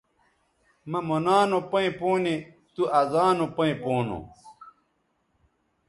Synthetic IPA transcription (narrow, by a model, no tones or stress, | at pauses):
mɐmonaːnopɐ̃ĩpoːni | t̪uɐzaːnopɐĩpoːno̰